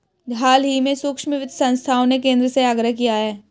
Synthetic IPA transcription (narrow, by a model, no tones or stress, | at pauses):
ɡʱaːlɦimẽsʊkʃmɪʋɪd̪sə̃nst̪ʰaːõnekẽːnd̪ɾəseaːɡɾəɦkijaɦɛː